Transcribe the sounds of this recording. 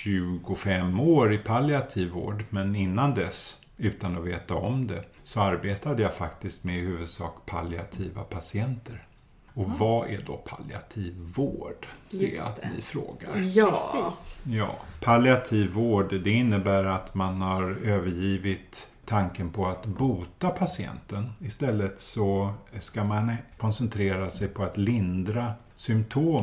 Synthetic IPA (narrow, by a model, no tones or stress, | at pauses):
ɕʉ̟ːɡʊfɛmːoːɾɪpʰalɪat̪ʰiːvo̰ːɖmɛnɪnːand̪ɛs | ʉ̟ːt̪anɔveːt̪aɔmd̪ɛsɔaɾbeːt̪ad̪əjafakt̪ɪst̪mɛhʉ̟ːvɵd̪sɑ̰ːkpʰa̰lɪa̰t̪ʰiːva̰pʰasɪɛnt̪əɾ | ɔvaæ̰ɖɔ̰pʰa̰lɪa̰t̪ʰiːvːoːɖsɛa̰t̪nɪ̰fɾo̰ːɡa̰ɾː | jɑ̰ːpʰalɪat̪ʰiːvːoːɖd̪ɛɪnːəbæːɾat̪manhaɾøːvəɾjiːvɪt̪ʰː | aŋkənpʰɔat̪buːt̪apʰasɪɛ̰nt̪ənɪst̪ɛlːət̪sɔskamankʰɔnsɛnt̪ʰɾeːɾasɛjpʰɔat̪lɪnd̪ɾa | sʏmt̪ʰoː